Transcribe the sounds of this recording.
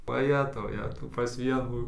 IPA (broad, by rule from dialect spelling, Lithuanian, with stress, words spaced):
ʋɐˈjæːtɐʊ ˈjæːtɐʊ pɐs ˈʋʲiɛnuː